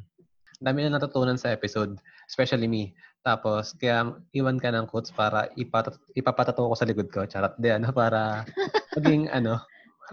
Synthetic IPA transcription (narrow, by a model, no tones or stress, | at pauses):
nd̪aːmɪnɐnɐt̪ʊt̪uːnɐnsɐʔɛːpɪsod̪̚ʔspɛʃɐlimit̪aːpo̞skɐjaʔiːwɐnkɐnɐŋkot̪spaːɾɐ̰ʔɪpɐt̪ɐʔɪpapɐt̪ɐt̪oʔkosɐlɪkod̪̚ko̞t͡ʃaɾɐt̪̚d̪ɛɐnopaːɾɐmɐɡɪŋɐ̰no̞